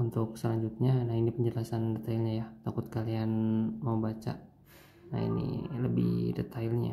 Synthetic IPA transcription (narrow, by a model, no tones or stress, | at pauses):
unt̪ʊk̚səlaɲd͡ʒut̪̚ɲanainipəɲd͡ʒəlasandɛt̪ailɲajat̪akʊt̪̚kalianmaubat͡ʃa̰ | na̰ḭnḭləbɪ̰hdɛ̰t̪ʰailɲa̰